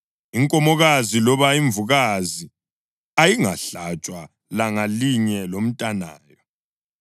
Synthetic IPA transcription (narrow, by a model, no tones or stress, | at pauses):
iŋkʼɔmɔɣazilɔβaiɱvuɣazi | ajiŋaɬat͡ʃʼwa | laŋaliɲɛlom̩tʼana̰ːjɔ